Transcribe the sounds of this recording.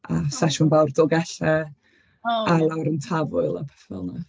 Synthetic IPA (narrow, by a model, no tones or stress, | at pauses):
asaʃʊnvawrdɔɡɛɬɛ | alˠawɾəntʰavʊɨlˠapʰɛ̥fɛ̰lˠna